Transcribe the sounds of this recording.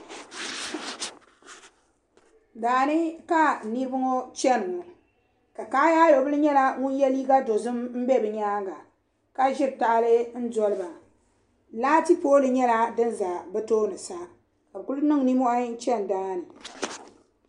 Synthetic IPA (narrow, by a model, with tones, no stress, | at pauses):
daː˨nɨ˦ka˦ni˦bɨ˦ŋo˦t͡ʃɛ˦n˨ŋo˨ | ka˨kaː˦ja˦jo˨˦bɨ˦lɨ˦ɲɛ˦la˦ŋʊ˦n˦jɛ˦li˦ɡa˦do˨zɨ˦mm̩˦bɛ˦bɨ˨ɲaː˦ŋɡa˨ | ka˦ʒɪ˦ɾta˦ʔa˦lɨ˦n̩˦dɔ˦lɨ˦ba˨ | laː˦ti˦poː˦lɨ˨ɲɛ˦la˦dɨ˦nza˨bɨ˦toː˦nɨ˨sa˦ | ka˨bɨ˨ku˦lnɨ˦ŋ˨ni˦mɔ˦ʔa˦t͡ʃɛ˦n˨daː˦nɨ˨